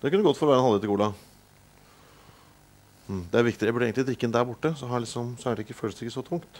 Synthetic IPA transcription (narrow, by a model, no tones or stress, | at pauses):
d̪ɛkʉnːəɡɔt̪ːfɔɾɔʋæːɾənhɑlːəɪt̪ɪɡuːlɑ | m̩d̪ɛæɾʋɪkt̪ɪæbʉɖːɛːɡŋɪd̪ɾɪkːənd̪æɾbʊʈːəsɔɦɑɭɪksɔmsɔæɖɛɪkːəføːləst̪ɪkːəsɔt̪ʰʊŋkt̪